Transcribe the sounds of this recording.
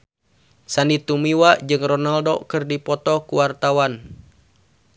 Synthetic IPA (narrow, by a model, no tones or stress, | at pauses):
sanit̪umiwad͡ʒɨŋrɔnaldokɨrdipɔt̪ɔkuwart̪awan